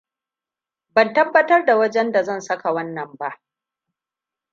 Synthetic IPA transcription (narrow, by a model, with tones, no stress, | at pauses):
bɐ˨ntɐ˦bːɐ˦tɐ˦rda˨wɐ˦d͡ʒɛ˦nda˨zɐ˦˨nsɐ˦ka˨wɐ˦nːɐ˨mba˦ʔ